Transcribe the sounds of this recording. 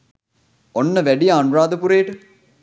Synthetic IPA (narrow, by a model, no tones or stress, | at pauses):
onːəʋæɖijɐːnuɾaːd̪əpuɾeːʈə